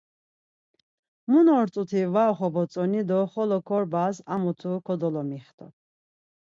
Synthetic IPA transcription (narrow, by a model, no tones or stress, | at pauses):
munɔɾt͡s̪ʼut̪ʰivaɔχɔbɔt͡sʼɔnid̪ɔχɔlɔkʰɔɾbasa̰mut̪ʰukʰɔd̪ɔlɔmiχt̪ʰɔ̰